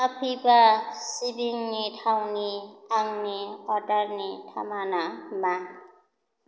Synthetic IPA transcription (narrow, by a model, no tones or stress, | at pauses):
apʰibasibiŋnitʰawniaŋniɔɾdaɾnitʰa̰manama